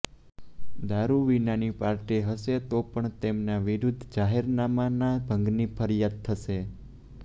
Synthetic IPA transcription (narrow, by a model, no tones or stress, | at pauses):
d̪aɾuʋinanipaɾʈiɦəʃet̪opəɳt̪emnaʋiɾud̪ʱd͡ʒaɦeɾnamanabʱə̃ŋɡnipʰəɾijad̪̚t̪ʰəʃe